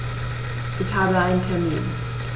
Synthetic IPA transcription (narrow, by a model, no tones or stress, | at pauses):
ʔɪçhaːbəaɪnəntʰɛɐmḭːn